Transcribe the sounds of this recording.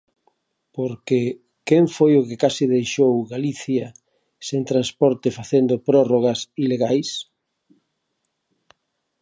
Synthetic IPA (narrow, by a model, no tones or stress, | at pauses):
poɾke | keŋfojʊkɪkasiðejʃowɣaliθjɐ | seŋt̪ɾanspɔɾt̪ɪfaθend̪opɾɔroɣɐsileɣajs